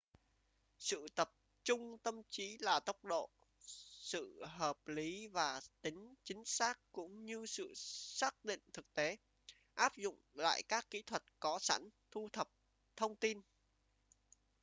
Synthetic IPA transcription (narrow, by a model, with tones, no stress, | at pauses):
sɨ̰˧˨t̪ə˨˩p̚ | t͡ɕʊ˧ŋ͡mt̪ə˧mt͡ɕi˨˦laː˨˩t̪ə˦˥wk͡p̚ɗo̰˧˨ | sɨ̰˧˨ɦəː˨˩p̚li˨˦vaː˨˩t̪ï˨˦ŋ̟t͡ɕï˨˦ŋ̟saː˦˥k̚kʊ̰˧˥ŋ͡mɲɨ˧sɨ̰˧˨saː˦˥k̚ɗḭ̈˧˨ŋ̟t̪ʰɨ˨˩k̚t̪e˨˦ | ʔaː˦˥p̚zʊ̰˧˨ŋ͡mla̰ː˧˨jkaː˦˥kːḭ˧˥t̪ʰwə˨˩t̚kɔ˨˦sa̰˧˥nt̪ʰu˧t̪ʰə˨˩p̚ | t̪ʰə˧wŋ͡mt̪i˧n